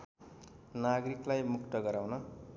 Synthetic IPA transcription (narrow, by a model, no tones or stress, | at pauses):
naɡɾiklajmukt̪ʌɡʌɾawnʌ